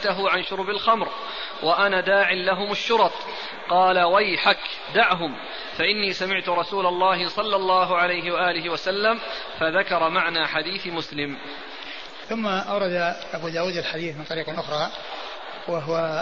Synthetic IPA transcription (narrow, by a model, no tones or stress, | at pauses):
t̪aɦʊʕanʃʊɾbalxamɾ | wʔaʔanaːd̪aːʕɪlaɦʊmaʃːʊɾɑt̪ˤ | qɑːlawajħak | d̪aʕɦʊm | faʔɪnːiːsamɪʕt̪ʊɾˤɑsuːlɑlˤːɑːɦɪsˤɑlːɑlˤːɑːɦʊʕalajɦɪwaʔaːlɪɦɪwasalːam | faðakɑɾˤɑmaʕnaːħad̪iːθmʊslɪm | θʊmːaʔawɾˤɑd̪aʔabuːd̪aːwuːd̪alħad̪iːθmɪnt̪ˤɑɾiːqlʔʊxɾˤɑː | waɦʊwa